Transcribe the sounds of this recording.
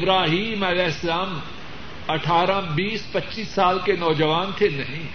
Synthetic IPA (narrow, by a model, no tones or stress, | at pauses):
ɪbɾaːɦiːmɐlɛːɪslaːm | ɐʈʰaːɾãbiːspɐt͡ʃiːsːaːlkenɔːd͡ʑəʋaːnt̪ʰenɐɦĩː